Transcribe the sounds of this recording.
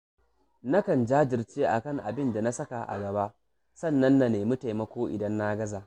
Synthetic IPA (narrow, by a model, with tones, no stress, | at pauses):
na˦kɐ˨nd͡ʒaː˦d͡ʒɪ˨rt͡ʃeː˦ʔa̰˨kɐ˦˨ŋʔa˨bɪ˦nda˨na˦sɐ˦ka˨ʔa̰˨ɡɐ˨ba˦ʔ | sɐ˦˨nːɐ˦nːa˨neː˨mʊ˦ta˨jmɐ˦kʷoː˦ʔɪ̰˨dɐ˦nːa˦ɡɐ˦zaː˨